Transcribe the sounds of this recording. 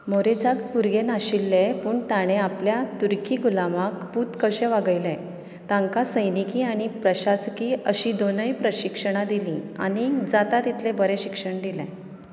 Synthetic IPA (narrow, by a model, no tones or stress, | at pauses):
moɾed͡zaɡpuɾɡenaɕilːepuːɳt̪aɽ̃ẽapljat̪uɾkiːɡulamakput̪kəɕeʋaɡəjlɛ̃ | t̪ãŋkasəjnikiːaɽ̃ipɾəɕaskiːəɕid̪onəipɾəɕikʂəɽ̃ad̪ilĩa̰ɽ̃id͡zat̪at̪it̪ʰlebəɾeɕikʂəɳɖ̪ilɛ̰̃